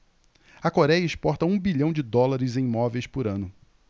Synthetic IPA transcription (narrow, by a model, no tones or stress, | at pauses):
ɐkoɾɛjɐispɔɾt̪ɐũbiʎɐ̃w̃d͡ʒɪd̪ɔlaɾɪzẽj̃ĩmɔvejspʊɾɐ̃nʊ